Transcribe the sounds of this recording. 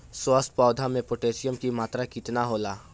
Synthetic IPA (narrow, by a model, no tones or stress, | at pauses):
swəst̪̚pɔːd̪ʱamẽpoʈeːʃɪjəmkimaːt̪ɾakit̪naɦoːlaː